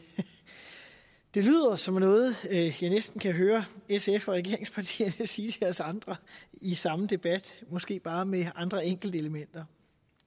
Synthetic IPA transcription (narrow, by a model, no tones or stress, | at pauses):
d̥e̝ly̰ːð̞̰ˠɐsɒ̽mnɔ̽ːð̞̩ˠjɑ̈ɪnesd̥n̩kʰæɦøːɐesefɒʁɛɡ̥e̝ɐ̰e̝ŋspʰɑ̈t͡sʰḭːɐnsiːt͡sʰe̝æsɑ̈nd̥ʁɐisɑ̈məd̥e̝b̥æd̥mɒ̽sɡ̥e̝̰ːb̥ɑ̈ːmeɑ̈nd̥ʁɐeŋ̰ɡ̥l̩d̥əe̝ləmen̰d̥ɐ